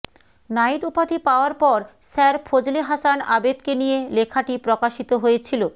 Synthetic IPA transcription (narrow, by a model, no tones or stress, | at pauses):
najʈupad̪ipaoaɾpɔɾ | sɛɾpʰod͡ʑleɦasanabed̪kenijelekʰaʈipɾokaʃit̪oɦojet͡ɕʰilo